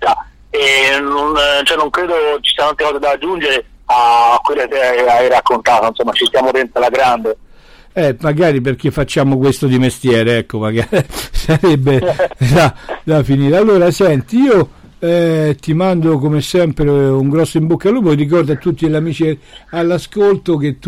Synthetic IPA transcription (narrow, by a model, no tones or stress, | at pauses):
a | enont͡ʃoɛnːoŋkɾeːd̪ot͡ʃi̥sinalt̪ɾekɔːzed̪aːd͡ʒːund͡ʒeɾe | akːwelːokeajɾakːont̪aːt̪oinsomːat͡ʃist̪jaːmod̪ɛnt̪olaɡɾand̪e | ɛmaɡaːɾip̬erk̟efːat͡ʃːaːmokwest̪od̪imest̪jɛːɾeɛkːomaɡaɾisaɾɛbːed̪ad̪afiniːɾealːoːɾasɛnt̪iiːo | ɛt̪imand̪okomesːɛmpɾeuŋɡɾɔsːoimbokːaluːborik̬ɔrd̪oat̪ːut̪ːileamiːt͡ʃialːaskolt̪ok̟et̪ː